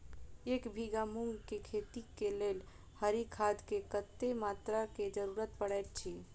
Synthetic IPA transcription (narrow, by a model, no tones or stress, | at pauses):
ekbʱiɡamuŋɡkekʰet̪ikelel | həɾikʰad̪kekət̪ːemat̪ɾaked͡ʒəɾuɾət̪pəɽajt̪̚t͡ʃʰi